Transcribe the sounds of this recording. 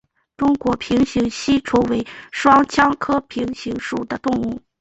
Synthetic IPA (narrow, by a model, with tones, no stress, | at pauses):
ʈ͡ʂʊ˥ŋkwɔ˧˥pʰi˧˥ŋɕi˧˥ŋɕi˥ʈ͡ʂʰu˧˥we˧˥ɪʂwɑ˥ŋt͡ɕʰjɑ˥ŋkʰɤ˥pʰi˧˥ŋɕi˧˥ŋʂu˨˩d̪ə˦t̪ʊ˥˧ŋu˥˩